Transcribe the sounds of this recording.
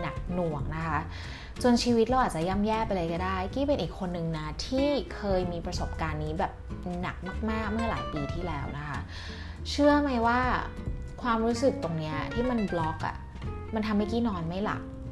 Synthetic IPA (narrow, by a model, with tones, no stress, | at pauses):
na˨˩k̚nu˨˩əŋna˦˥kʰa˦˥ | t͡ɕo˧nt͡ɕʰiː˧wi˦˥t̪̚ɾa˧wʔaː˨˩t̪̚t͡ɕa˨˩ja˥˩mjɛː˥˩pa˧lɤ˧jkɔː˥˩daː˥˩jkiː˥˩pe˧nʔiː˨˩kʰːo˧nːɯ˨˧ŋna˦˥t̪ʰiː˥˩kʰɤː˧jmiː˧pɾa˧so˨˩p̚kaː˧nːiː˦˥bɛː˨˩p̚na̰˨˩k̚maː˥˩k̚maː˥˩k̚mɯ˥˩ɐla̰ː˩˦jpiː˧t̪ʰiː˥˩lɛː˦˥wna˦˥kʰa˦˥ | t͡ɕʰɯ˥˩ɐma˧˥jwaː˥˩ | kʰwaː˧mɾuː˦˥sɯ˨˩k̚t̪o˧ŋni˦˥ɐa̰˩t̪ʰiː˥˩ma˧nblɔ˦˥k̚ʔa̰˨˩ | ma˧nt̪ʰa˧mːa˦˥˩jkiː˥˩nɔː˧nma˥˩jla̰˨˩k̚